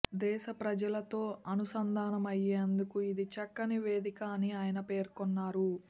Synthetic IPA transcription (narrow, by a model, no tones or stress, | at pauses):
d̪ɛːʃɐpɾɐd͡ʒɐlɐt̪o̞ːɐnusɐnd̪ʱaːnɐmɐjːeːnd̪ukuid̪it͡ʃɐkːɐniʋe̞ːd̪ikaniaːjɐnɐpe̞ːɾkɔnːaːɾu